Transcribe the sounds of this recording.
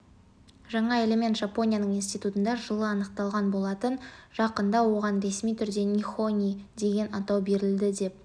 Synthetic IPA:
ʒɑɴɑe̞lʲe̞me̞nt̪ʒapo̞nʲijanəɴinst̪ijt̪ut̪ənd̪ɑʒəlˠəɑnəq̚t̪ɑlˠʁɑnbo̞lˠɑt̪ənʒ̥ɑqənd̪ɑwo̞ʁɑnɾe̞smijt̪ʰʏɾd̪e̞nʲixo̞nʲijd̪e̞ɡʲe̞nɑt̪ɑwbe̞ɾɪld̪ɪd̪e̞p̚

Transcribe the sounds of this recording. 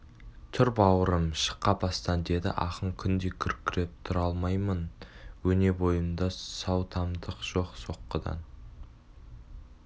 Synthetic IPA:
t̪ʰʏɾpɑwəɾəmʃə̥qːɑpʰɑst̪ɑnd̪e̞d̪ɪ̰ʔɑ̰qəɴkʲʰʏnd̪e̞kʲʰʏɾkʲʰːɪɾe̞p̚t̪ʰʊɾɑlˠmɑjmənwɵne̞bo̞jənd̪ɑsɑwt̪ʰɑmd̪əqʒ̥o̞qso̞qːəd̪ɑ̰n

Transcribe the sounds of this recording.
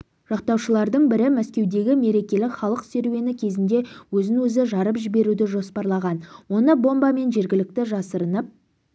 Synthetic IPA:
ʒ̥ɑq̚t̪ɑwʃəlˠɑɾd̪əɴbɪɾɪmæskʲe̞wd̪e̞ɡʲɪme̞ɾe̞kʲe̞lɪkχɑlˠəqseɾwe̞nɪkʲʰe̞zɪnd̪e̞wɵzɪnwɵzɪʒɑɾəpʒɪbe̞ɾud̪ɪʒo̞spɑɾlˠɑʁɑnwo̞nəbo̞mbɑme̞nʒe̞ɾɡʲɪlɪk̚t̪ɪʒɑsəɾənəp̚

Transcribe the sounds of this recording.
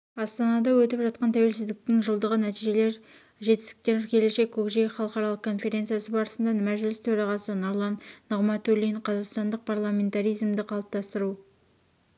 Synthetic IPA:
ɑst̪ɑnɑd̪ɑwɵt̪ɪpʒɑt̪̚qɑnt̪ʰæwe̞lsɪzd̪ɪk̚t̪ɪŋʒəlˠd̪əʁənæt̪ijʒe̞le̞ɾ | ʒe̞t̪ɪ̥st̪ɪ̥k̚t̪eɾkʲʰe̞le̞ʃe̞kʲːʰɵkʒejχɑlˠəqɑɾɑlˠəqkʰːo̞nfe̞ɾʲe̞nt̪sijasəbɑɾəsənd̪ɑnɪmæʒɪlɪst̪ʰɵɾɑʁɑsənoɾlˠɑnːəʁmɑt̪oliɴqʰɑzɑqst̪ɑnd̪əq̚pʰɑɾlˠamʲe̞nt̪aɾijzmd̪ɪqʰɑlˠəp̚t̪ɑst̪əɾu

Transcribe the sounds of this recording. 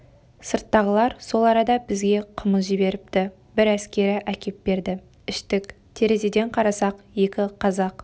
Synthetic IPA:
səɾt̪ːɑʁəlˠɑɾso̞lˠɑɾɑd̪ɑbɪzɡʲe̞qʰəməsʒɪbe̞ɾɪp̚t̪ɪ | bɪɾæskʲe̞ɾɪʔækʲe̞p̚be̞ɾd̪ɪ | ɪʃt̪ɪkʲ | t̪ʰe̞ɾe̞zed̪e̞ɴqʰɑɾɑsɑqje̞kʲɪqʰɑzɑq

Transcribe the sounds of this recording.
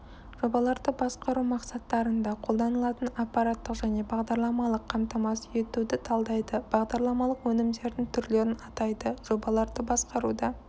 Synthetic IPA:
ʒo̞bɑlˠɑɾd̪əbɑsqɑɾumɑqsɑt̪ːɑɾənd̪ɑqʰo̞lˠd̪ɑnəlˠɑt̪ənɑpːɑɾat̪ːəqʒæne̞bɑʁd̪ɑɾlˠɑmɑlˠəqʰːɑmt̪ɑmɑsje̞t̪ud̪ɪt̪ʰɑlˠd̪ɑjd̪əb̥ɑʁd̪ɑɾlˠɑmɑlˠəqwɵnɪmd̪e̞ɾd̪ɪŋt̪ʰʏɾle̞ɾɪnɑt̪ɑjd̪əʒo̞bɑlˠɑɾd̪əbɑsqɑɾud̪ɑ

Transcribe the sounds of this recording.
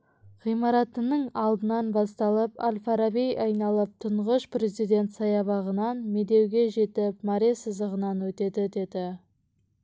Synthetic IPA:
ʁ̥ijmɑɾɑt̪ənəɴɑlˠd̪ənɑnbɑst̪ɑlˠəpa̰lʲfaɾabijʔɑjnɑlˠəp̚t̪ʰʊɴʁəʃpɾe̞zijd̪e̞nt̪sɑjɑβɑʁənɑnme̞d̪e̞wɡʲe̞ʒe̞t̪ɪpmɑɾesəzd̪əʁənɑnwɵt̪e̞d̪ɪd̪ed̪ɪ

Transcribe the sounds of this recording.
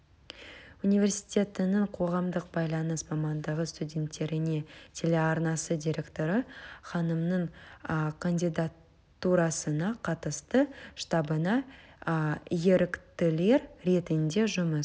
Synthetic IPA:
unijvʲe̞rsi̥t̪ʲe̞t̪ɪnəɴqʰo̞ʁɑmd̪əq̚b̥ɑjlˠɑnəsmɑmɑnd̪əʁəst̪udʲe̞nt̪ːe̞ɾɪne̞t̪ʲʰe̞lʲe̞ɑɾnɑsəd̪ʲiɾʲe̞kt̪o̞ɾəχɑnəmnəɴ | kʰanʲd̪ʲijd̪at̪ː | uɾɑsənɑqʰɑt̪əst̪əʃt̪ɑbənɑ | je̞ɾɪkt̪ɪle̞ɾɾe̞t̪ɪnd̪e̞ʒʊməs

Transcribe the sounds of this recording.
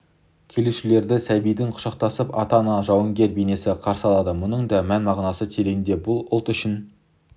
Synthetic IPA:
kʲʰe̞leʃɪle̞ɾd̪ɪsæbijd̪ɪŋqʰʊ̥ʃɑq̚t̪ɑsəpɑ̰t̪ɑnɑʒɑwəŋɡʲe̞ɾbene̞sɪqʰɑɾsəɑlˠɑd̪əmʊnəɴd̪ɑmænmɑʁnɑsət̪ʰeɾeɡʲɪnd̪e̞bʊlˠʊlˠt̪ʏʃɪn

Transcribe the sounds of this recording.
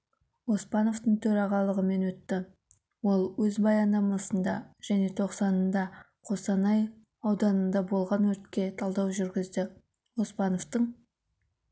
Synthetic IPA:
o̞spɑno̞vt̪əɴt̪ʰɵɾɑʁɑlˠəʁəme̞nwɵt̪ːɪ | wo̞lˠwɵzbɑjɑnd̪ɑmɑsənd̪ɑʒ̥æne̞t̪ʰo̞qsɑnənd̪ɑ | qʰo̞sɑnɑj | ɑwd̪ɑnənd̪ɑbo̞lˠʁɑnwɵɾt̪kʲe̞t̪ʰɑlˠd̪ɑwʒʏɾɡʲɪzd̪ɪ | wo̞spɑno̞vt̪əɴ

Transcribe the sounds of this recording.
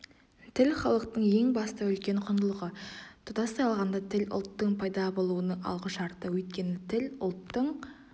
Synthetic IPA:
t̪ʰɪlχɑlˠəqt̪əɴje̞ŋbɑst̪ɑɵlkʲe̞ɴqʰʊnd̪əlˠəʁət̪ʰʊd̪ɑsɑjɑlˠʁɑnd̪ɑt̪ʰɪlʊ̰lˠt̪ːəɴpʰɑjd̪ɑbo̞lˠuənəɑ̰lˠʁəʃɑɾt̪əwɵjt̪̚kʲe̞nɪt̪ʰɪlʊlˠt̪ːəɴ

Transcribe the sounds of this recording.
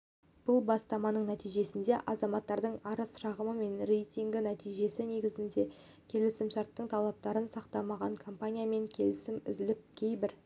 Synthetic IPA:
b̥ʊlˠbɑst̪ɑmɑnəɴnæt̪ijʒe̞sɪnd̪e̞ʔɑzɑmɑt̪ːɑɾd̪əɴɑɾəsʃɑʁəməme̞nre̞jt̪ʲiŋɡʲɪnæt̪ijʒe̞sɪne̞ɡʲɪzɪnd̪e̞ | kʲʰe̞lɪsɪmʃɑɾt̪ːəɴt̪ʰɑlˠɑp̚t̪ɑɾənsɑqt̪ɑmɑʁɑɴkʰo̞mpanʲijame̞ŋkʲʰe̞lɪsɪmʏ̰zɪlɪp̚kʲʰe̞jbɪɾ

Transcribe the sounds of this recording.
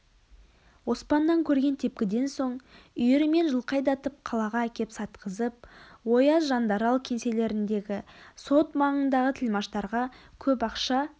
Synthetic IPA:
wo̞spɑnːɑŋkʲʰɵɾɡʲe̞nt̪ʰe̞pkʲɪd̪e̞nso̞ɴ | ʏjɪɾɪme̞nʒəlˠqɑjd̪ɑt̪əp̚qʰɑlˠɑʁɑækʲe̞psɑt̪qəzəp̚wo̞jɑsʒɑnd̪ɑɾɑlˠkʲʰe̞nse̞le̞ɾɪnd̪e̞ɡʲɪso̞t̪mɑɴənd̪ɑʁət̪ʰɪlmɑʃt̪ɑɾʁɑkʲʰɵpɑqʃɑ

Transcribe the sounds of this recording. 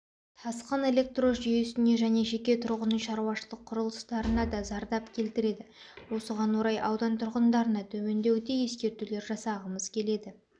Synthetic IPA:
t̪ʰɑsqəne̞le̞k̚t̪ro̞sʒijesɪne̞ʒæne̞ʒe̞kʲe̞t̪ʰʊɾʁənəʃɑɾuwɑʃəlˠəqʰːʊɾəlˠəst̪ɑɾənɑd̪ɑzɑɾd̪ɑpkʲʰe̞lt̪ɪɾe̞d̪ɪwo̞səʁɑnwo̞ɾɑjʔɑwd̪ɑnt̪ʰʊɾʁənd̪ɑɾənɑt̪ʰɵme̞nd̪e̞wd̪e̞je̞skʲe̞ɾt̪ule̞ɾʒɑsɑʁəməz̥kʲʰe̞le̞d̪ɪ

